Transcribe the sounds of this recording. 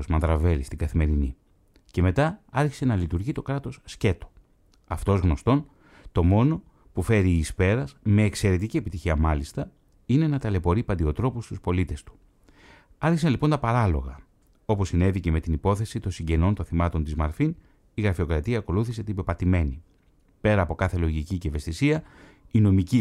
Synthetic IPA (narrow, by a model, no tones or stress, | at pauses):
ozmɐnðɾɐve̞list̪iɡɐθime̞ɾinḭ | ce̞me̞t̪ɐɐɾçi̥se̞nɐlit̪uɾʝit̪o̞kɾɐt̪o̞sːce̞t̪o̥ | ɐft̪o̞zɣno̞st̪o̞n | t̪o̞mo̞no̞ | pufe̞ɾiːspe̞ɾɐzme̞ːkse̞ɾe̞t̪icie̞pit̪içiɐmɐlist̪ɐ | ine̞nɐt̪ɐle̞po̞ɾipɐnd̪io̞t̪ɾo̞pust̪u̥spo̞lit̪e̞st̪u̥ | ɐɾçisɐnlipo̞nt̪ɐpɐɾɐlo̞̰ɣɐ | o̞po̞sːine̞ðice̞me̞t̪inipo̞θesit̪onsiɲɟe̞no̞nt̪o̞nθimɐt̪o̞nt̪izmɐ̰ɾfin | iɣɾɐfio̞kɾɐt̪iɐːko̞luθise̞t̪ibe̞pɐt̪ime̞ni | pe̞ɾɐːpo̞kɐθe̞lo̞ʝiciceve̞st̪isiɐ | ino̞mici